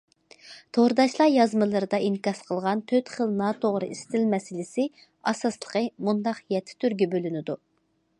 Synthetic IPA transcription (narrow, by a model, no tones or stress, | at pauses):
t̪ʰoɾd̪ɑʃlˠɑjɑzmɨlˠɨɾɨd̪ɑinkɑsqʰəlˠʁɑnt̪ʰøt̪χəlˠnɑt̪ʰoʁɾɨ̰ist̪ɪlmɛsɪlɪsɪ | ɑsɑslˠə̥qəmund̪ɑqjɛt̪ʰːɪ̥t̪ʰyɾɡʲɛbølynɪd̪u